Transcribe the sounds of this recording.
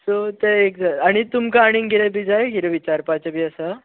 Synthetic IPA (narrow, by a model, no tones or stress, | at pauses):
sot̪eekd͡zaaɽ̃it̪umkaːɽ̃iŋɡʱiɾebʱid͡zajɡiɾeʋit͡ɕaɾpat͡ɕəbiːəsa